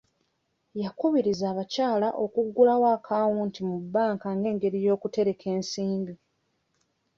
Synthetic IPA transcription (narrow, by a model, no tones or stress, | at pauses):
jakuβiɾizaːβacaːlaʔo̞kuɡːulawaːkʰaːwuːntimubːaːŋkaŋɡe̞ːŋɡe̞ɾijo̞ːkute̞ɾe̞kʰe̞ːnsiːmbi